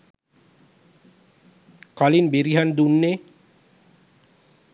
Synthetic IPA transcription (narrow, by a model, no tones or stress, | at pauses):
kalinbeɾiɦand̪unːe